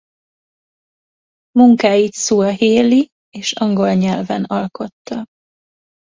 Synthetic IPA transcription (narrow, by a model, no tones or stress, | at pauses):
muŋkaːjit̪suːɒɦeːli | eːʃɒŋɡo̞lɲɛlvɛnɒlko̞t̪ːɒ